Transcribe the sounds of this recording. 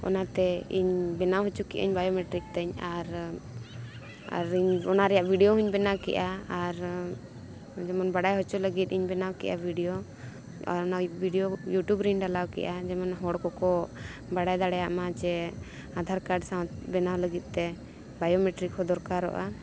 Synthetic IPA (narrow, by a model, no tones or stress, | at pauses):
ɔ̰nat̪ɛḭɲbɛnawɦɔt͡ʃukḭʔə̰ɲbajɔmɛʈɾik̚t̪ɛɲaɾ | a̰ɾiɲɔnaɾɛjaʔbʱiɖijɔɦuɲbɛnawkɛ̰ʔaːɾ | d͡ʒɛmɔnbaɽajɦɔt͡ʃuləɡit̪̚iɲbɛnawkɛ̰ʔa̰bʱiɖijo | a̰ɾɔnabʱiɖijojuʈjubɾinɖalawkɛ̰ʔad͡ʒɛmɔnɦɔɽkɔkɔbaɽajd̪aɽɛjaʔmat͡ʃɛ | ad̪ʱaɾkaɖsaw̪bɛnawləɡit̪̚ˀt̪ɛ | bajɔmɛʈɾik̚hɔd̪ɔɾkaɾɔ̰ʔa